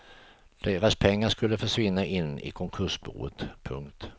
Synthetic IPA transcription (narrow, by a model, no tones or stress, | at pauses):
d̪̥eːɾaspʰɛŋːaʂkɵlːəfœʂvɪnːaʔɪnːɪ̰kʰɔŋkʰɵʂbṵːət̪pʰɵ̰ŋkt̪